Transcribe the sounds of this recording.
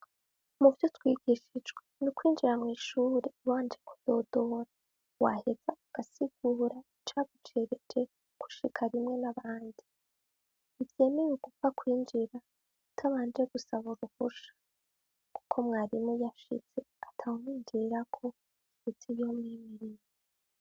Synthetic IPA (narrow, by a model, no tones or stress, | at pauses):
muvjotwiːɡiʃid͡ʒɡwenukwiːnd͡ʒiɾamŋiːʃuːɾewaːnd͡ʒe̞kʰu̥d̥o̞do̞ɾa | wa̰he̞z̥auɡ̥asiɡ̥uːɾa | t͡ʃaɡut͡ʃe̞ɾed͡ʒe̞ | kʰu̥ʃikʰaɾimŋe̞naβaːndi | ivje̞ːme̞jeɡ̥ufakwiːnd͡ʒiɾa | utʰaβaːnd͡ʒe̞ɡ̥usaβuɾuhuʃḁ | ku̥kʰo̞mŋaːɾimujaʃḭz̥e̞atʰaomiːnd͡ʒiɾakʰo̞ | kiit͡siβjo̞mŋiːmiɾije